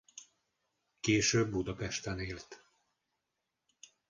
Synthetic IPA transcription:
keːʃøːbːud̪ɒpɛʃt̪ɛneːlt̪

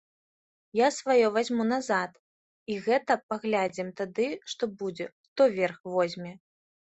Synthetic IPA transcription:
jasvajɔvazʲmunazat̪ | iɣɛt̪ɐpaɣlʲad͡zʲimt̪ad̪ɨʂt̪ɔbud͡zʲɛxt̪ɔvʲɛrxvɔzʲmʲɛ

